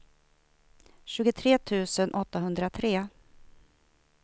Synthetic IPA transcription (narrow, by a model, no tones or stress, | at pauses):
ɕʉ̟ːɡʊt̪ʰɾeːt̪ʰʉ̟ːsənʔɔt̪ːaɦɵnd̪ɾat̪ʰɾeː